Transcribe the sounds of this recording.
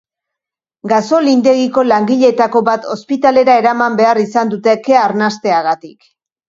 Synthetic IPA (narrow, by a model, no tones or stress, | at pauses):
ɡaso̞lind̪e̞ɣiko̞laŋɡiʎe̞t̪ako̞βat̪ʰo̞spit̪ale̞ɾae̞ɾamambe̞arisand̪ut̪e̞ke̞aɾnast̪e̞aɣat̪ik